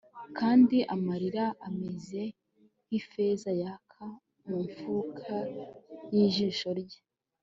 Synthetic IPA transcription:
kʰaːndiʔamaɾiɾaʔameze̞ | hife̞ːzajakʰa | muɱfuːkʰajiːʒiːʃo̞ɾɟe

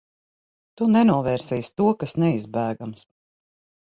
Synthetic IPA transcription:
t̪unɛnuɔvɛːɾsɛjst̪uɔkasnɛizbæːɡams

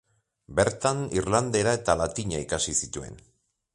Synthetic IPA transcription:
be̞ɾt̪anirland̪e̞ɾae̞t̪alat̪iɲaikasisit̪ue̞̰n

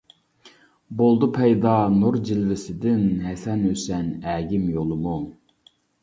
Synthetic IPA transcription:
bolˠd̪upʰɛjd̪ɑnuɾd͡ʒilvɪsɪd̪ɪnɦɛsɛnøsɛnæːɡʲimjolˠʊmu

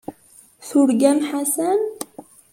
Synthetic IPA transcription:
θʊɾɡæmħasæm

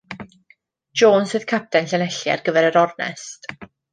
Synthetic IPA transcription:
d͡ʒoːnsɨð̥kʰap̚tɛnɬənɛɬja̰rɡəvɛɾəɾɔrnɛ̰st

